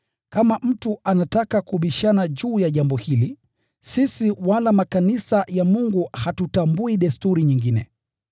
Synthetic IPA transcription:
kamam̩tuʔanatakakuɓiʃanaʄuːjaʄambɔhili | sisiwalamakanisajamuŋɡuhatutambuiɗɛstuɾiɲiŋɡinɛ̰

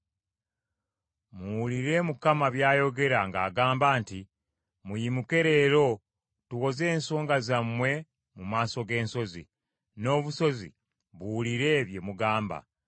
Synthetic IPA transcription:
muwuliɾe̞mukamaβjaːjo̞ɡe̞ɾaŋɡaːɡaːmbaːnti | mujimuke̞ɾe̞ːɾo̞ | tuɣo̞ze̞ːnso̞ːŋɡazamwe̞ | mumaːso̞ɡe̞ːnso̞zḭ | no̞ːβuso̞zḭ | βuwuliɾe̞βje̞muɡaːmba̰

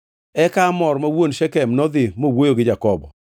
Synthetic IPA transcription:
ɛkamɔɾmawonʃɛkɛmnɔd̪ɪmowojoɡɪd͡ʒakɔbɔ̰

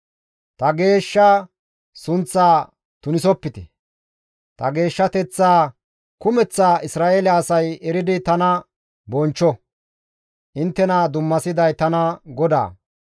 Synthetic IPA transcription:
t̪ɐɡe̞ːʃːɐ | sʊnt͡sːaː | t̪ʊnɪsɔpːɪt̪ɛ̰ | t̪ɐɡe̞ːʃːɐt̪ɛt͡sːaː | kʊmɛt͡sːaːʔɪsɾaːʔeːlɛɐsɐjɛɾɪd̪ɪt̪ɐnɐ | bɔnt͡ʃːɔ | ʔɪnt̪ːɛnad̪ʊmːɐsɪd̪ɐjt̪ɐnɐɡɔd̪a̰ː

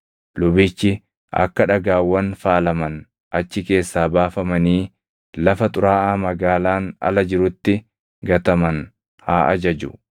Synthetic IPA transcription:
lʊbɪt͡ʃːɪ | ɐ̰kːɐᶑɐɡaːwːɐnfaːlɐmɐn | ʔɐt͡ʃːɪke̞ːsːaːbaːfɐmɐniː | lɐfɐt̪ʼʊɾaːʔaːmɐɡaːlaːnɐ̰lɐd͡ʒɪɾʊt̪ːɪ | ɡɐt̪ɐmɐn | haːʔɐ̰d͡ʒɐd͡ʒʊ

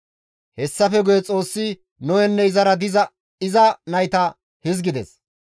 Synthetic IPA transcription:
hɛsːɐfɛɡʊjɛt͡sʼo̞ːsːɪ | nɔwɛnːɛɪzɐɾɐd̪ɪzɐ | ɪzɐnɐjt̪ɐ | hɪzɡɪd̪ɛ̰s

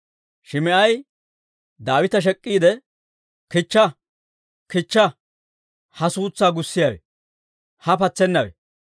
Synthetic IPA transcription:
ʃɪmɪʔɐj | d̪aːwɪt̪ɐʃ̬ɛkʼːiːd̪ɛ | kɪt͡ʃːɐ | kɪt͡ʃːɐ | hɐsuːt͡sːaːɡʊsːɪjɐwɛ̰ | hɐpɐt͡sːɛnːɐwɛ̰

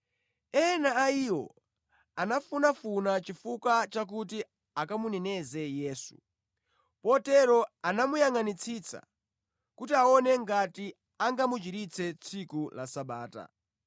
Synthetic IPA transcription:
ɛnaːiwɔ̰ | anafunafunat͡ʃifukwat͡ʃak̬uti | akamunɛnɛzɛjɛːsṵ | pɔtɛɾɔanamujaŋanit͡sʰit͡sa̰ | kutiaɔnɛŋɡati | aŋɡamut͡ʃiɾit͡sʰɛt͡sʰikula̰saɓaːta̰

